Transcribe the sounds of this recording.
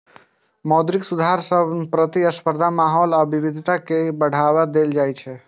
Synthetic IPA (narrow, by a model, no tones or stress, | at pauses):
mɔd̪ɾiksud̪ʱaɾsəbpɾət̪iəspəɾd̪ʱamaɦɔlaəbibid̪ʱit̪akebəɽ̤aβad̪eld͡ʒajt͡ʃʰɛ